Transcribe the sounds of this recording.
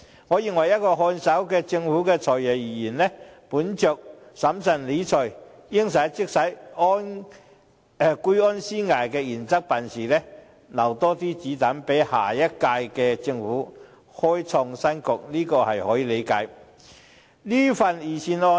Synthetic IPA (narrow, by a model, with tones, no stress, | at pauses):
ŋɔː˨˧jɪ˨ŋwɐ˨˩jɐ˥t̚kɔː˧hɔː˧nsɐ˨˥wkɛː˧t͡sɪ˧ŋfuː˨˥kɛː˧t͡ʃʰɔː˨˩jjɛ˨˩wjiː˨˩jiː˨˩nlɛ˥puː˨˥nt͡ʃœː˨k̚sɐ˨˥msɐ˨˩nli˨˧˥t͡ʃʰɵ˨˩j | jɪ˥ŋs̬ɐ˨˥jt͡sɪ˥k̚sɐ˨˥jɔ˥n˨˧ | ku˥jɔː˥nsiː˥ŋaː˨jkɛː˧jiː˨˩nt͡sɐ˥k̚pa˨nsiː˨lɛː˥ | nɐ˨˩wt̪ɔː˥t̪iː˥t͡siː˨˥t̪ɐ˨˥npe˨˥jha̰ː˨˩jɐ˥t̚kaː˧jkɛː˧t͡sɪ˧ŋfuː˨˥ | hɔː˥jt͡sʰɔː˧ŋsɐ˥nkʊ˨k̚niː˥kɔː˧hɐ˨jhɔː˨˥jiː˨˧le˨˧jkaː˨˥j | liː˥fɐ˨njiː˨˩siː˧nɔː˧